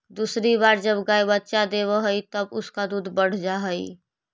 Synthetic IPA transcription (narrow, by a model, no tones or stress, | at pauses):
d̪usɾibaːɾd͡ʒəbɡaːjbətːʃad̪eβəɦəit̪əbʊskad̪uːd̪ʱbəɽ̤d͡ʒaɦəi